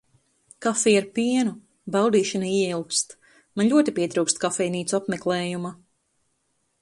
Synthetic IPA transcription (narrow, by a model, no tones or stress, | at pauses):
kafiːaɾpiɛnu | bawd̪iːʃanaiɛilˠkst̪ | manlʲuɔt̪ipʲiɛt̪ɾuːkst̪kafɛjniːt̪suapmɛklˠɛːjuma